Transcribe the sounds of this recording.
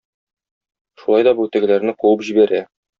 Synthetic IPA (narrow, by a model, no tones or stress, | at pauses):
ʃulˠɑjd̪ɒbut̪æ̆ɡɘ̆læɾnɘquwɤpʑibæɾæ